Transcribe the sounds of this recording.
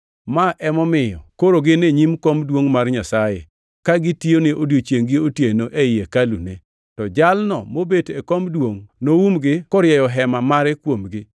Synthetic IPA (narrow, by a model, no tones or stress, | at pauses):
maʔɛmɔmɪjɔ̰koɾoɡɪneɲimkomdwoŋmarɲasajḛ | kaɡɪtionɪʔodjot͡ʃjeŋɡɪotjenoʔeɪjekalṵne | tɔd͡ʒalnɔ̰mobetekomdwoŋnowumɡɪkɔɾjɛjɔɦɛmamaɾɛkwomɡɪ